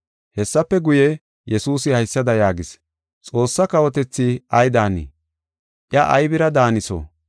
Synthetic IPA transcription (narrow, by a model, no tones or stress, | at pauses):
hɛsːɐpːɛɡʊjɛ | jɛsuːsɪhɐjsːɐd̪ɐjaːɡɪs | t͡sʼo̞ːsːɐkɐwɔt̪ɛt͡sːiɐjd̪aːnḭː | ʔjɐʔɐjbɪɾɐd̪aːnɪso̰ː